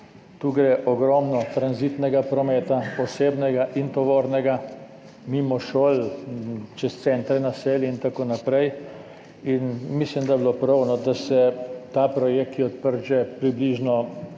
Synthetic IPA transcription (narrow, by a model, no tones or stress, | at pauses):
t̪uːɡɾɛʔɔɡɾɔmnɔt̪ɾanzit̪nɛɡapɾɔmɛːt̪apɔseːbnɛɡaʔint̪ɔʋoːɾnɛɡa | mimɔʃoːl | t͡ʃɛst̪sɛnt̪ɾɛnaseːlɛint̪akoːnapɾɛj | inmislimd̪ajɛblopɾɔwnɔd̪asɛt̪apɾɔjek̚t̪jɛɔt̪pəɾd͡ʒɛpɾibliːʒnɔ